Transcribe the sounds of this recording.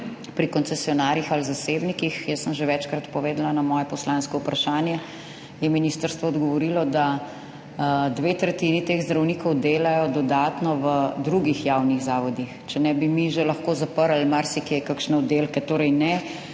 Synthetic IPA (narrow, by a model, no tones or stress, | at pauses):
pɾikɔntsɛsiɔnaːɾjixalzaseːbnikixjɛsəmʒeʋɛt͡ʃkɾat̪pɔʋeːd̪lanamɔːjɛpɔslanskɔupɾaʃaːnjɛ | jɛminiːst̪əɾst̪ʋɔːd̪ɡɔʋɔɾilɔd̪a | d̪ʋeːt̪ɾɛt̪init̪eːɣzd̪ɾɐwnikɔwd̪eːlajɔd̪ɔd̪aːt̪nɔʋəd̪ɾuɡixjawniɣzaːʋɔd̪ixt͡ʃɛnɛbimiʒelɐxkoːzapəɾalmaɾsikekakʃnɛɔd̪eːlkɛt̪oːɾɛjnɛ